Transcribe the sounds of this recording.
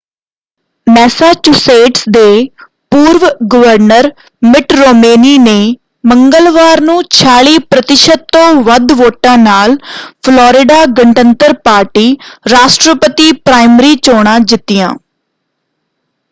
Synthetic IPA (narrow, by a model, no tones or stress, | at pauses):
mɛːsaːt͡ʃuseːʈsd̪eː | puːɾʋɡəʋəɾnəɾ | mɪʈɾoːmeːniːneː | məŋɡəlʋaːɾnũːt͡ʃʰaːɭiːpɾət̪ɪʃət̪ːõːʋəd̪ʋoːʈãːnaːlpʰlɔːɾɪɖaːɡəɳʈənt̪əɾpaːɾʈiːɾaːʃʈɾəpət̪iːpɾaːɪməɾiːt͡ʃoːɽ̃ãːd͡ʒɪt̪ːɪjã̰ː